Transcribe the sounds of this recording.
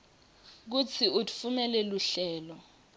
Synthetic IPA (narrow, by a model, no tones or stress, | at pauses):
k̬ut͡sʰiutʰʼu̥fumɛlɛluɬɛːlɔ